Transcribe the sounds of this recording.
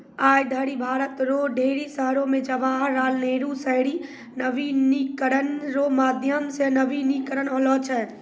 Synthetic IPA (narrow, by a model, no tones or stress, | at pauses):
aːjd̪ʱəɽibʱaːɾət̪ɾoːɖʱeːɾisəɦɾõmẽd͡ʒəʋaːɦɾaːlneːɾusəɦɽi | nəʋinikəɾənɾomaːd̪ʱjəmsenəʋinikɾənɦolɔt͡ʃʰɛː